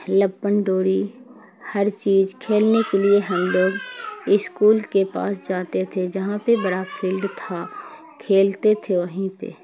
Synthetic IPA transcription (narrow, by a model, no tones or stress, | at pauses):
ləbːənɖoːɽi | hɐɾt͡ʃiːzkʰeːlnekelieɦə̃mɖ̪əɡɪskuːlkepa̰ːsd͡ʒaːt̪et̪ʰed͡ʒɐɦãpebɐɽapʰɪlɖt̪ʰa | kʰeːlt̪et̪ʰeʋɐɦĩpḛː